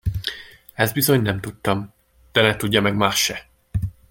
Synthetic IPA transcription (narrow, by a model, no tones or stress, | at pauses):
ɛzd̪bizo̞ɲnɛmt̪ut̪ːɒm | d̪̥ɛnɛt̪uɟːɒmɛɡmaːʃʃːɛ